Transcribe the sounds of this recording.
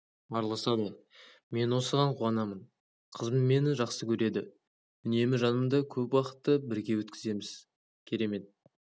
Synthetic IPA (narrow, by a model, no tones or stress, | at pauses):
ɑɾlˠɑsɑd̪ə | me̞nwo̞səʁɑɴqʰuɑnɑmən | qʰəzmənme̞nɪʒɑqsəkʲʰɵɾe̞d̪ɪ | ʏne̞mɪʒɑnəmd̪ɑkʲʰɵpwɑqə̥t̪ːəbɪɾɡʲe̞wɵt̪kʲɪze̞mɪz̥ | kʲʰe̞ɾe̞me̞t̪̚